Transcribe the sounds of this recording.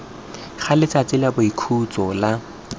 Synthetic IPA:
χalɪt͡sʰʼat͡sɪlabʊikʰut͡sʼɔla

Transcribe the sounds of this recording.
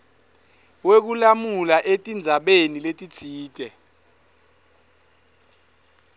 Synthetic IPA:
wek̬ulamulaʔetʼind͡zʱaɓeniletʼi̥iːtʼɛ

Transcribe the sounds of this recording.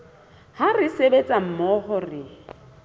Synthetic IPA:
harɪsebet͡sʼam̩mɔhɔrɪ

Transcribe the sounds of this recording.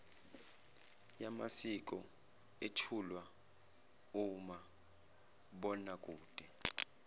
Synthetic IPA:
jamasik̬ʼɔ | et͡ʃʰulwa | uma | ɓɔnakʼuːd̥ʱɛ

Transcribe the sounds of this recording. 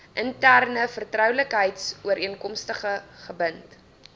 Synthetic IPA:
ʔəntærnəfərtrœwləkɦəjtsuəɾʔiənkɔmstəχəχəbənt

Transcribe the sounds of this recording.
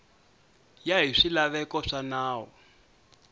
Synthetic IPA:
jaɦiʂilaβɛkɔʂanaːɦɔ

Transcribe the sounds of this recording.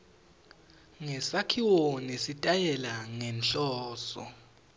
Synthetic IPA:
ŋɛsakʰiwonisitʼajɛlaŋɛnt͡ɬʼɔːsɔ̰

